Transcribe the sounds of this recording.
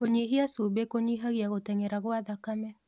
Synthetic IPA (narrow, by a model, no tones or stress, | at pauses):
koɲiɦiasubekoɲiɦaɣiaɣotɛŋɛɾaɣɔaðakamɛ